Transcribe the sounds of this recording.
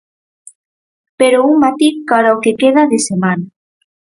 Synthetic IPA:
peɾouŋmat̪iɣkaɾaokekeðaðesemana

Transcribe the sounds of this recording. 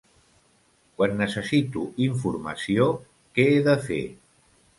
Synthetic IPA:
kwanːəsəsit̪uiɱfuɾma̰sio | kɛeðəfḛ

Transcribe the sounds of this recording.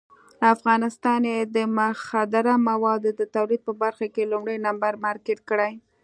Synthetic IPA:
əafɣɑnɪst̪ɑnjed̪əmʊxad̪aɾamawɑd̪od̪ət̪awlid̪̚pəbaɾxakelumɽəjnambaɾmɑɾkɪʈ̚kəɽaj

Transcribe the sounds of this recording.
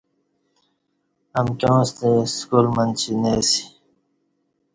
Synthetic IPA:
ɐmkõːst̪eskuːlmənt͡ɕʰineːsi̥

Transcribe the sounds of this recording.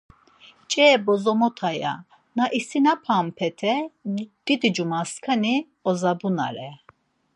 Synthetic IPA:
t͡ʃʼɛːbɔzɔmɔt̪ʰaja̰ | naʔisinapʰampʰɛt̪ʰɛd̪̥id̪id͡ʒumaskʰani | ɔzabuna̰ɾɛ

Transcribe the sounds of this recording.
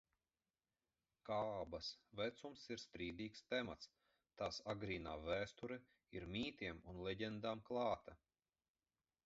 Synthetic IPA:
kaːbɐsvɛt̪sumsiɾst̪ɾiːd̪iːkst̪ɛma̰t̪s | t̪aːsaɡɾiːnaːvæːst̪uɾɛ | iɾmʲiːt̪ʲiɛmunlʲˠɛɟɛnd̪aːmklˠɑːt̪a

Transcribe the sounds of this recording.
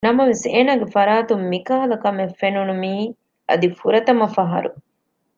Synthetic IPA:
nɐmɐʋeseːnaːɡefɐɾaːt̪umːikaːlɐkɐmefːenunumiː | ɐ̰d̪ifuɾɐt̪ɐmɐfɐɦɐ̰ɾṵ

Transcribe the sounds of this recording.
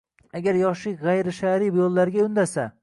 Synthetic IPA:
aɡʲaɾjɒʃɪkʲʁajɾɪʃaɾɪbjolˠːaɾɡʲaʊnd̪asa

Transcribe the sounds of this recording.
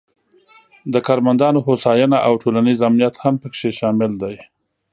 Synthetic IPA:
d̪əkɑɾmand̪ɑnoɦosɑjanaʔawʈʰolanizamnijat̪hampəkʃeʃɑmɪld̪aj

